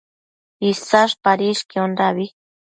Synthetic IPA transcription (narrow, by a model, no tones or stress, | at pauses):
isaʃpaɾiʃkionɾaβi